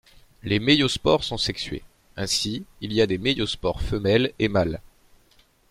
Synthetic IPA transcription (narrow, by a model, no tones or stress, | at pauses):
lemejospɔʁsɔ̃sɛksɥḛ | ɛ̃siiliad̪emejospɔʁfəmɛlemal